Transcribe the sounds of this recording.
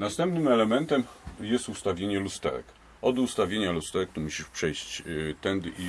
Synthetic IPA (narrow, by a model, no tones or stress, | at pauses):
nast̪ɛmpnɘmɛlɛmɛnt̪ɛmjɛst̪ust̪avʲjeɲɛlust̪ɛ̰ɾɛ̰k | ɔd̪ust̪avʲjeɲalust̪ɛɾɛk̚t̪muɕipʂɛjɕt͡ɕt̪ɛnd̪i